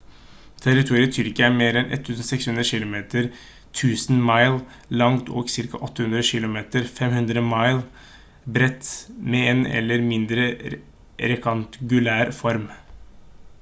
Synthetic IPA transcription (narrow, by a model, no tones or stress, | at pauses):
t̪ʰæɾɪt̪ʰuːɾɪət̪ʰʏɾɪkːəæmeːɾɛnʔɛ̰t̪ʰːʉːsn̩sɛkshʉnd̪ɾəʃɪlʊmeːt̪əɾ | t̪ʰʉːsnmɑɪl | lɑŋt̪ɔ̰ːɡsɪɾkɑ̰ʔɔt̪ːəhʉnd̪ɾəʃɪlʊmeːt̪əɾfɛmhʉnd̪ɾəmɑɪl | bɾɛt̪meeːnɛ̰lːəɾmɪnd̪ɾə | ɾɛkɑnt̪ɡʉlæːɾfɔɾm